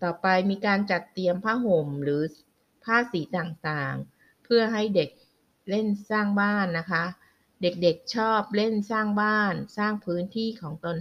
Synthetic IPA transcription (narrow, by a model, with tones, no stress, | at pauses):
t̪ɔː˨˩pa˧jmiː˧kaː˧nt͡ɕa˨˩t̪ːi˧əmpʰaː˥˩ɦo˨˩˦mɾɯː˩˦ | pʰaː˥˩siː˩˦t̪aː˨˩ŋt̪aː˨˩ŋ | pʰɯ˥˩ɐɦa˥˩jde˨˩k̚ | le˥˩nsaː˥˩ŋbaː˥˩nːa˦˥kʰa˦˥ | de˨˩k̚de˨˩k̚t͡ɕʰɔː˥˩p̚le˥˩nsaː˥˩ŋbaː˥˩nsaː˥˩ŋpʰɯː˦˥nt̪ʰiː˥˩kʰɔː˩˦ŋt̪o˧n